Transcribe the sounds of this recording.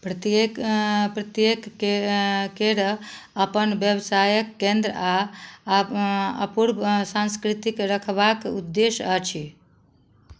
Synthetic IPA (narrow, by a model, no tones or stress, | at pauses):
pɾət̪epɾət̪jek | keɾə | əpənbjəbsajəkːẽnd̪ɾəa | əpuɾbsãnskɾit̪ikɾəkʰbakud̪ːesət͡ʃʰi